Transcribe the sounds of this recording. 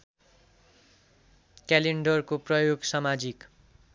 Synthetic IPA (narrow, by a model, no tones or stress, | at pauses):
kaleɳɖʌrkoprʌjoɡsʌmad͡zik